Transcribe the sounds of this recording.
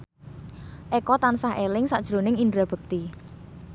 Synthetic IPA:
ʔɛkɔt̪ansaɦelɪŋsa̰ʔd̥ʒ̥ɾonɪŋindɾab̥ək̚t̪i

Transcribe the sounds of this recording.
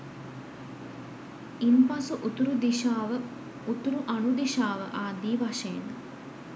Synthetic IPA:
impasuʔut̪uɾud̪iʃaːʋə | ut̪uɾuʔanud̪iʃaːʋə̰ʔaːd̪iːʋaʃen

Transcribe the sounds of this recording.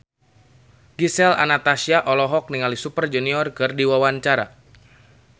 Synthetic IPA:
ɡisɛla̰nat̪asiaʔɔlɔɦɔk̚niŋalisupərd͡ʒuniɔrkɨrdiwawaɲt͡ʃaɾa̰

